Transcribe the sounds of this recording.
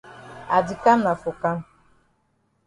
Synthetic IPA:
a˨dɪ˨ka˦m̩˦na˨fʊ˨ka˦m̩˦

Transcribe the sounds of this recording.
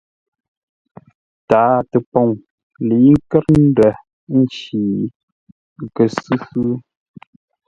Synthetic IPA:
taː˨˦tə˨pɔ˨ŋ | li˨˦ŋ̩˦kɛ˦ɾn̩˦də˨ | n̩˦t͡ʃiː˨ | kə˨sɨ˦sɨ˦

